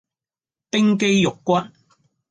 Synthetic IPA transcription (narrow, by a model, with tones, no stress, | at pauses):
pɪ˥ŋke˥jjʊ˨kːʷɐ˥t̚